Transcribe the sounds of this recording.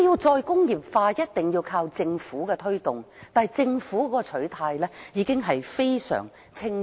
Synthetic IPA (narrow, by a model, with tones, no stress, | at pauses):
jiː˧wt͡sɔː˧jkʊ˥ŋjiː˨˩p̚faː˧jɐ˥t̚t̪ɪ˨ŋjiː˧wkʰaː˧wt͡sɪ˧ŋfuː˨˥kɛ˧t̪ʰɵ˥ɥt̪ʊ˨˩ŋ | t̪aː˨t͡sɪ˧ŋfuː˨˥kɔː˨˧˥ɔ˧t͡ʃʰɵ˨˥ɥt̪ʰaː˧jlɛː˥jiː˨˥kɪ˥ŋɦɐ˨jfe˥jsœ̰ː˨˩ŋ | t͡sʰɪ˥ŋ